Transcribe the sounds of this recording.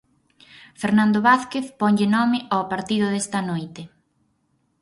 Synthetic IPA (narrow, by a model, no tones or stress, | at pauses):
feɾnãnd̪oβaθkeθpɔɲʎɪnɔmɪʔawpaɾt̪iðʊðest̪ɐnojt̪e